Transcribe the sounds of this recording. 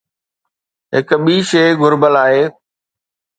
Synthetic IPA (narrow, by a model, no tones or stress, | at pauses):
ɦɪkɓiːʃeːɡʱʊɾbəlaːɦeː